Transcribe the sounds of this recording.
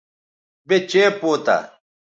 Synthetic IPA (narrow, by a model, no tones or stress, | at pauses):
bet͡ɕepoːt̪a̰